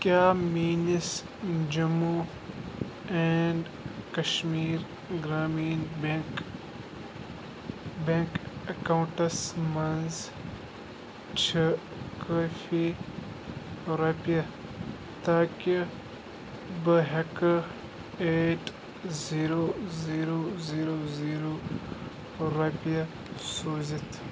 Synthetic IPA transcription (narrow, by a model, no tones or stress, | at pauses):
kjaːmiːnis | d͡ʒɐmu | eɳɖ | kɐʃmiːɾ | ɡɾaːmiːnk | bẽŋkɐkaw̃ɳʈɐsmɐnz | t͡ʃʰɐ | kɐfi | ɾɐpjɐ | t̪aːki | bɐɦɐkɐ | eːʈ | ziːɾoːziːɾoːziːɾoːziːɾoː | ɾɐpijɐ | soːzit̪ʰ